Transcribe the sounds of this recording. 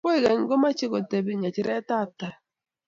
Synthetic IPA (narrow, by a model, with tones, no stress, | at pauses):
po˦i˨ɡe˨ŋ˦ɡo˦ma˦t͡ʃi˦ko˨te˨bi˨ɲa˨t͡ʃi˦ɾɛ˦ta˦˨ta˨